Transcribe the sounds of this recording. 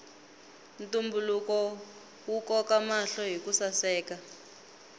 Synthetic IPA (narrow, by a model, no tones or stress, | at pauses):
ntumbulukɔ | wukɔkamaɬɔɦikusasɛːka